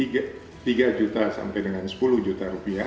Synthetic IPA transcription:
iɡa | t̪iɡad͡ʒut̪asa̰mpajdəŋansə̥puluhd͡ʒut̪aɾupia

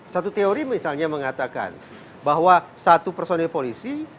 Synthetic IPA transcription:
sat̪ut̪eoɾimisalɲaməŋat̪aka̰n | baɦwasat̪upərsonɛlpolisi

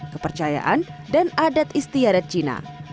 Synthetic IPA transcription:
kəpərt͡ʃaja̰ʔandanadat̪̚ist̪iadat̪̚t͡ʃina̰

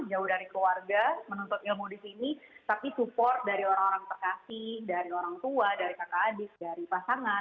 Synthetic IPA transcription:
d͡ʒaʊhdaɾikwarɡamənɔnt̪ʊt̪ɪlmudisinit̪apisupɔrt̪̚daɾioɾaŋoɾaŋt̪ərkasɪhdaɾioɾaŋt̪uadaɾikakaːdɪk̚daɾipasaŋa

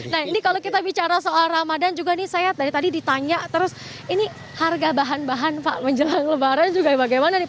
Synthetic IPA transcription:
nahinikalokit̪abit͡ʃaɾasəolaramadand͡ʒuɡanisajat̪aɾit̪adidit̪aɲaʔt̪əɾʊs | ini | harɡabaɦanbaɦanpaʔməɲd͡ʒəlaŋləbaɾand͡ʒuɡabaɡajmanadi

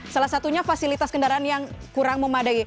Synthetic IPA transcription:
salahsat̪uɲafasilit̪askəndaɾaanjaŋkuɾaŋməmadai

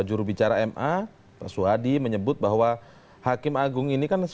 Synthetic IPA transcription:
d͡ʒuɾubit͡ʃaɾaɛmʔa | pa̰suadiməɲəbʊt̪̚baɦwa | hakɪmaɡʊŋinikans

